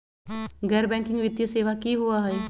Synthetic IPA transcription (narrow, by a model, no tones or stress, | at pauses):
ɡɛːɾbɛ̃ːŋkɪ̃ŋɡʋɪt̪jəseːʋakiɦuaɦɛː